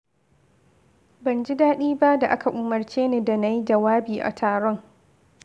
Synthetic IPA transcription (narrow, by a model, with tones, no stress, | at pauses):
bɐ˨nd͡ʒi˦daː˦ɗiː˦ba˦da˨ʔa˦ka˨ʔʊ˨mɐ˨rt͡ʃeː˦neː˦da˨na˦˨ji˦d͡ʒɐ˨waː˦biː˨ʔa̰˨tʰaː˨ɽɔ˦ŋ